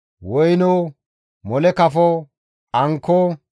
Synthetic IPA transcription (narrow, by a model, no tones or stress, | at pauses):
wɔjno | mɔlɛkɐfɔ | ɐŋkʰːɔ